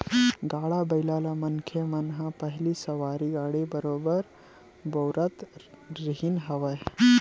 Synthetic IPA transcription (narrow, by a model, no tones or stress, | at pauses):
ɡaɭabəjlalamənkʰemənɦãpəɦilisəʋaɾiɡaɽebəɾobəɾ | bəwɾət̪ɾiɦinɦəʋaj